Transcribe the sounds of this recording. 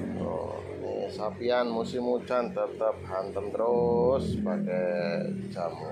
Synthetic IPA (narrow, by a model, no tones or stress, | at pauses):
o̰ | nḭsapianmusimut͡ʃant̪ət̪əp̚ɦant̪ənd̪əɾosbaɡɛjd͡ʒamu